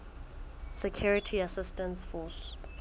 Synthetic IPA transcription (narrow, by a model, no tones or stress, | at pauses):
sɛkʰjuɹitʰiasɪstɛ̃nsfɔs